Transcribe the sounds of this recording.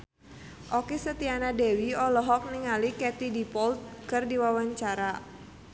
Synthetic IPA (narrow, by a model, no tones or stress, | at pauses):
ʔɔkisət̪ianadɛwiɔlɔɦɔk̚niŋalikɛt̪idipɔlt̪̚kɨrdiwawaɲt͡ʃaɾa